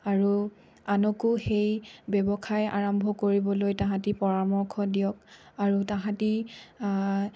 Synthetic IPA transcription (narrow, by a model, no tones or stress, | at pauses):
aɹu | anɔkuxejbɛbɔkʰaja̰ɹɔmbʱɔkoɹibɔlojtãɦãtipɔɹamɔɹkʰɔdijɔk̚aɹutaɦãti